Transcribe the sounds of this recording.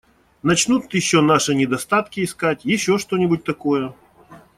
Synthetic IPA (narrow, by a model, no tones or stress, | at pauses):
nɐt͡ɕnut̪jɪɕːonaʂɨnʲɪd̪ɐst̪at̪kʲɪːskatʲjɪɕːo̞ʂt̪onʲɪbʊt̚ʲt̪ɐkojə